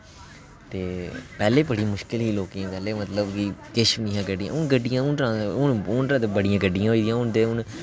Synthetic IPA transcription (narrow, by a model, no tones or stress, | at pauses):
t̪eːpɛːleːbəɽiːmʊʃkɪlɦiːloːkiãːkɛːleːmət̪ləbɡiːkɪʃəʋnĩːɦãːɡəɖijã̰ːʊnɡəɖːɪjãːʊnʈɾãːʊnʊnʈɾãːd̪bəɽɪjãːɡəɖːɪjãːɦoːiːd̪ijãːʊnd̪eːʊn